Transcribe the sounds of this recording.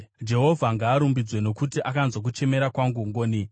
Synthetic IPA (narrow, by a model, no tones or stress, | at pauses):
d͡ʒe̞ɦo̞vʱaŋɡaːɾumbid͡zwe̞no̞kutiʔakanzwak̬ut͡ʃe̞me̞ɾakwaŋɡuŋɡoːni